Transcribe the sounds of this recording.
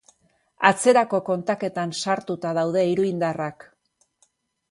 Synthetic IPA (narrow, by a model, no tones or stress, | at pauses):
at͡se̞ɾako̞ko̞nt̪ake̞t̪ansaɾt̪ut̪aðawð̞e̞iɾuind̪arak